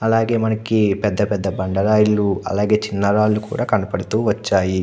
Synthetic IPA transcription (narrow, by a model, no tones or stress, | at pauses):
ɐlaːɡe̞ːmɐnɐkipɛd̪ːɐpɛd̪ːɐbɐɳɖɐɾaːjɐlːuɐ̰laːɡe̞ːt͡ʃinːɐɾaːlːukṵːɽaːkɐnɐpɐɽut̪uːʋɐt͡ʃːaːji